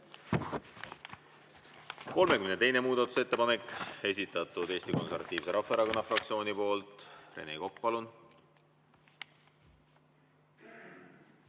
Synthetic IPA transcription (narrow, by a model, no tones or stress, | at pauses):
ko̞lme̞kymnet̪e̞jnemuːd̪̥ɑt̪ːˑu̥se̞t̪ːe̞pɑne̞kːe̞s̬ʲit̪ːˑɑt̪ːˑud̪̥e̞ːsʲt̪iko̞nse̞rvɑ̰t̪ːˑiːvse̞ɾɑfːɑeɾɑko̞nːɑfrɑk̚t̪sio̞ːnipo̞ːlt̪ˑre̞̰nḛko̞k̚ːpɑlun